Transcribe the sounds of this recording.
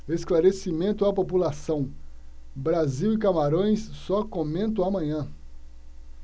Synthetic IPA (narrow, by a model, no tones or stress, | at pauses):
esklaɾesimẽnt̪ʊɐpopulasɐ̃w̃ | bɾaziwɪkamaɾõj̃ssɔkomẽnt̪̬ɐ̃w̃amɐ̃ɲɐ̃